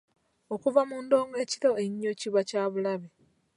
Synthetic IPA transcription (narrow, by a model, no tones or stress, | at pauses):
okuvamuːndo̞ːŋɡe̞ːci̥to̞eɲːociβacaːβulaβe